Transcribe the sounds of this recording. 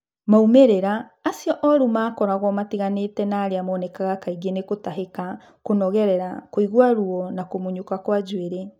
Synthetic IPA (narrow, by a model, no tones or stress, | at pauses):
maumeɾeɾaː | sjɔʔɔɾumaːkɔɾaɣɔmatiɣanetɛnaːɾeamɔːnɛkaɣakaiɣenekotaɦeka | konɔɣɛɾɛɾakoiɣwaɾuɔnakomoɲukakwad͡ʒweɾe